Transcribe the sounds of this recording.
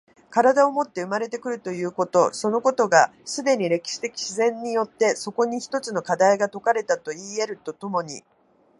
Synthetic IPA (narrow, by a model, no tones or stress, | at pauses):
kaɾad̪ao̞mo̞t̪ːe̞ɯ̟maɾe̞t̪e̞kɯ̟ɾɯ̟t̪o̞jɯ̟ːko̞t̪o̞so̞no̞ko̞t̪o̞ɡasɨd̪e̞ɲ̟iɾe̞kʲi̥ɕi̥t̪e̞kʲi̥ɕizẽ̞ɲ̟ːijo̞t̪ːe̞so̞ko̞ɲ̟içi̥t̪o̞t͡sɨno̞kad̪aiɡat̪o̞kaɾe̞t̪at̪o̞iːe̞ɾɯ̟t̪o̞t̪o̞mo̞ɲ̟ḭ